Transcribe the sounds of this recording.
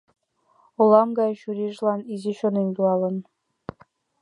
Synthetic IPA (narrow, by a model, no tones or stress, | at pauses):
ŏlˠɑmɡɑjɕuɾʲiʐlˠɑnizʲeɕonenʲt̪uɑlˠɤ̆n